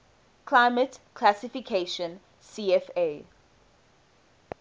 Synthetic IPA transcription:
kʰl̥aɪmətkʰlasifikʰeʃə̃n | siːɛfe

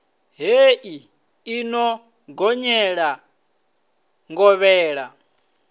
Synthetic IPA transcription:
ɦeʔi | inɔ | ɡɔɲɛɺa | ŋɡɔβɛːɺa

